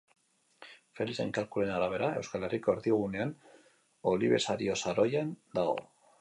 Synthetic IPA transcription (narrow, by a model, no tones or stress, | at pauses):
fe̞lise̞̰ŋkalkule̞naɾaβ̞e̞ɾae̞wskale̞riko̞eɾðiɣ̞une̞an | o̞liβe̞̰saɾio̞saɾo̞jand̪aɣo̞̰